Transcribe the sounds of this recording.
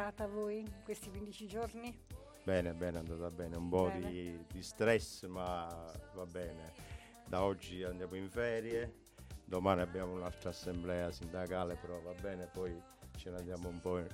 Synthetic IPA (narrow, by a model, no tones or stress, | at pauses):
aːt̪avoːjkwest̪ikwind̪it͡ʃid͡ʒoɾni | bɛːnebɛːnand̪aːt̪abːɛːneumpɔd̪id̪ist̪ɾɛsːmavabːɛːne | d̪aɔd͡ʒːiand̪jaːmʊiɱfɛːɾje | d̪ɔmaːniabːjaːmʊunalt̪ɾasːɛmblɛːasind̪akaːlepɛɾɔvabːɛːnepɔj | t͡ʃɛnand̪jaːmoumpɔ